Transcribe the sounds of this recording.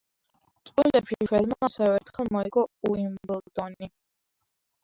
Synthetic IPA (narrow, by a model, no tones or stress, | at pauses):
t̪sʼwilɛpʃiʃwɛd̪maasɛvɛɾt̪ʰχɛlˠmɔiɡɔuimblˠd̪̥ɔni